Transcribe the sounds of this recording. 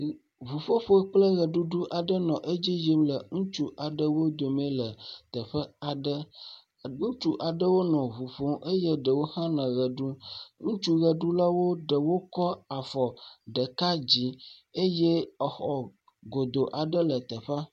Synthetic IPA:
vu˨ɸo˦ɸo˦k͡plə˦ɣə˨ɖu˦ɖu˦ʔa˨ɖə˦nɔ̃˨ʔe˦d͡ʑi˦ji˦mlə˨ŋũ˦t͡ʃu˦ʔa˨ɖə˦wo˦d̪o˨mɛ̃˦lə˨t̪ə˨ɸə˦a˨ɖə˦ | ŋũ˦t͡ʃu˦ʔa˨ɖə˦wo˦nɔ̃˨vu˨ɸo˦ʔe˦je˦ɖə˨wo˦hã˦nɛ̃˨ɣə˨ɖu˦ŋũ˦t͡ʃu˦ɣə˨ɖu˦la˦wo˦ɖə˨wo˦kɔ˦a˨fɔ˨ɖə˨ka˦d͡ʑi˨e˦je˦ə˨xɔ˨ | ɡo˨d̪o˨ʔa˨ɖə˦lə˨t̪ə˨ɸa˦

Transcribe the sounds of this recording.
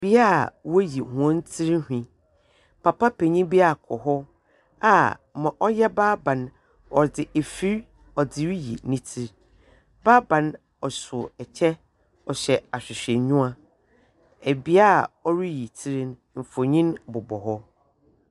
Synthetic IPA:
bi˦a˦˨wo˦ji˨hʊ̃˨˦n̩˦tʰi˦ɾhᶣĩ˨ | pʰa˨pʰa˦pʰe˨ɲĩ˦bi˦a˨kʰɔ˨ɦɔ˦ | a˨mã˨ʔɔ˦jɛ˦baː˦bã˨n | ɔ˨dɪ˨ʔe˨fi˦ɾ | ɔ˨dɪ˨wi˦jḭ˨nĩ˦tʰi˦ɾ | baː˦bã˨n | ɔ˨sʊ˨ɛ˨t͡ɕʰɛ˦ | ɔ˨ɕɛ˨a˨ɕᶣɪ˨ɕᶣɛ˨ɲʊ̃˦a˦ | æ˨bi˦a˦˨ɔ˦ɾi˦ji˨tʰi˦ɾi˦n | m̩˨fo˨ɲĩ˦nbʊ˨bɔ˨ɦɔ˦

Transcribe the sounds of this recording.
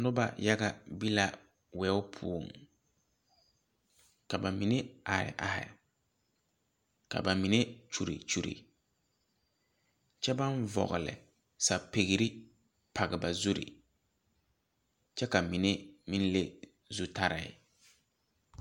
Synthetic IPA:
nʊ˦ba̰˨ja˦ɡa˦bi˦la˨ | wɛː˨˦ʊ˦pʰu˦o˨ŋ | ka˨ba˨mi˨ne˦a˨ɾɪ̰˨ʔa̰˨hɪ̰˨ | ka̰˨ba˨mi˨ne˦t͡ʃu˨ɾḭ˨t͡ʃu˨ɾḭ˨ | t͡ʃɛ˦ba˦nvɔ̰˨ɣɪ˨lɪ̰˨ | sa˨pe˨ɣi˨ɾi˦ | pʰa˨ɣɪ˨ba˨zu˦ɾḭ˨ | t͡ʃɛ˦ka˨mi˨ne˦mi˦n˦le˦ | zu˦ta˦ɾɪ̰˨ɪ̰˨

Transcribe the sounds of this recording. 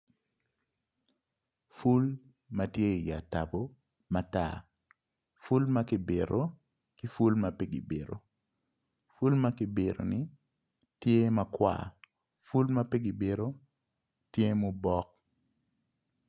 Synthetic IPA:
fu˦l | ma˨tje˦i˨ja̰˨ta˨bo˦ | ma˨ta̰˨ | fu˦lma˦kɪ˨be˨ɾo˦ | ki˦fu˦lmape˦ɡɪ˨be˨ɾo̰˨ | fu˦lmakɪ˨be˨ɾo̰˨ni˦ | tje˦mɐkwa̰˨ | fu˦lma˦pe˦ɡi˨be˨ɾo˦ | tje˦mo˦bɔ˦k̚

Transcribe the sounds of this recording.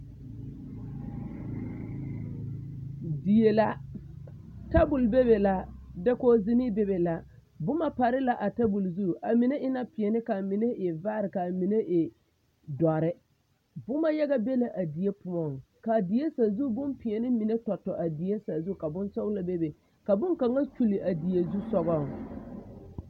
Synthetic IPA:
di˨je˨la˦ | ta˦bʊ˨lbe˦be˨la˦dɛ˦ko˦zi˦ni˦be˦be˨la˨ | bʊ˦ma˦pa˨ɾɪ˦la˦ʔa˨ta˦bu˨lzu˦˨ʔa˨mi˨ne˦ʔɪ˦na˦pɪ˨ɛ˨nɪ˦ka˨mi˨ne˦ʔɪ˨vaː˦ɾɪ˨ka˨mi˨ne˦ʔɪ˨ | dɔ˨ɾɪ˦ | bʊ˦ma˦ja˦ɣa˦be˦la˨ʔa˨di˨je˦pʊ˨mɔ˨ŋ | ka˨di˨je˦sa˨zu˦bʊ˦mpɪ˨ɛ˨nɪ˦mi˨ne˦tɔ˨tːɔ˨ʔa˨di˨je˦sa˨zu˦˨ka˨bʊ˦nsɔ˦la˨be˦be˨ | ka˨bʊ˦ŋka˨ŋa˦t͡ʃu˨li˨ʔa˨di˨e˨zu˦sɔ˦ɣɔ˦˨ŋ˨

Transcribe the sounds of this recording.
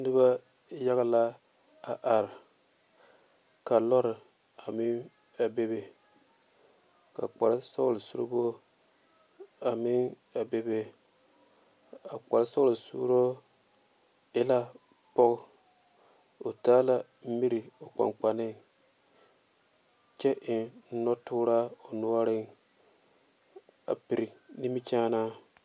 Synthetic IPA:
nɨ˦ba˦ | ja˦ɣa˦la˦ | a˨ʔa˨ɾɪ˨ | ka˨lɔ˦ɾɪ˨ | a˨mɪ˦ŋ | a˨be˦be˦ | ka̰˨k͡pa˨ɾɪ˦so̰˦lɨ˨sṵ˦ɾɨ̰˦bo˦ | a˨mɪ˦ŋ | a˨be˦be˦ | a˨k͡pa˨ɾɪ˦so˦lɨ˨sṵː˦ɾo˦ | ɪ˦la˦ | pɔ˦ɡ | o˨taː˦la˦ | m̩˦mi˦ɾi˨o˨k͡pa̰˨ŋk͡pa˨nɪ˦ | t͡ʃɛ˦ʔɪ˨˦nɔ˦tʊː˦ɾa˦o˨nu˦a˦ɾɪ˦ŋ | a̰˨pi˨ɾi˨ni˦mi˦t͡ʃaː˦na˦

